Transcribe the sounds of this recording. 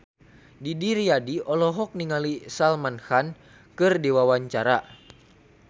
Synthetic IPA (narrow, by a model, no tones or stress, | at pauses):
didiɾiadiɔlɔɦɔk̚niŋalisalmanhan | kɨrdiwawaɲt͡ʃaɾa